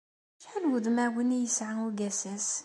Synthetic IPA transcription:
ʃħælwəðmæwənijəsʕauɡæsæs

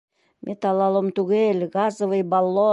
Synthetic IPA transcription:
mʲʔet̪ɑlˠɑlˠomt̪uɣelʲɣɑzovɤjbɑlˠːo

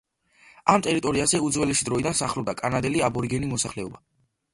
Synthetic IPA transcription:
amt̪ʼɛɾit̪ʼɔɾiazɛud̪zwɛlɛʃid̪ɾɔid̪ansaχlˠɔb̚d̪akʼanad̪ɛliabɔɾiɡɛnimɔsaχlɛɔba

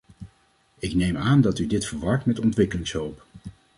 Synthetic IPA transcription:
ɪknejmaːndɑtydɪtfəɹʋɑɹtmɛtɔntʋɪkəlɪŋsɦɵwp

